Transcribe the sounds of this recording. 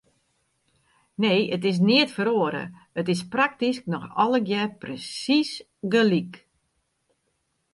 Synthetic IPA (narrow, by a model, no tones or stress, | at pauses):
neːətɪs̬niətfəɾoːəɾə̰ | ətɪs̬prak̚tisk̚nɔxɔləɡjɛprəsis | ɡəlik